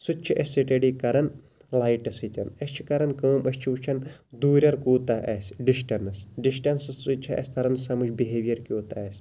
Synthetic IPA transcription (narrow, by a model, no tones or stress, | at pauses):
sut͡ʃʰiʔɐsʲsiʈeɖikɐɾɐn | laːjʈɐsɨt̪ʲɐ̰nɐst͡ʃʰi̥kɐɾɐnkɐːmɐst͡ʃʰiut͡ʃʰɐnd̪uːɾʲɐɾkuːt̪ɐʔɐsɖisʈɐnɐsɖisʈɐnsɐsut͡ʃʰɐɐ̰sʲt̪ʰɐɾɐnsɐmɨt͡ʃbiɦeʋijɐɾkʲjoːt̪aɐsʲ